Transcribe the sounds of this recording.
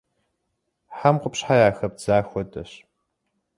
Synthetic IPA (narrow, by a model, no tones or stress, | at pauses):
ħamqʷʊpɕħajaːxɐp̚z̥aːxʷɔtʼɐɕ